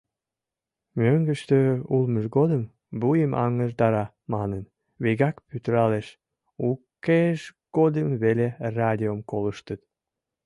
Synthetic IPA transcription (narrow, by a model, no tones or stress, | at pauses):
møŋɡəʃt̪øulməʒɡod̪əm | bujəmʔɑ̰ŋəʒd̪ɑɾɑ | mɑnən | βeɣɑkpyt̪əɾɑleʃ | ukːeʃ | ɡ̥od̪əmβelerɑd̪ʲiomkoləʃt̪ət̪